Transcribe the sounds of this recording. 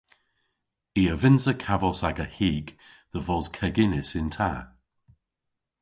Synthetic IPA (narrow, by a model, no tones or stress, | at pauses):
iəvɪnzəkʰavɔsaɡəhiːɡ | ðəvɔz̥kʰəɡɪnɪsɪntʰa̰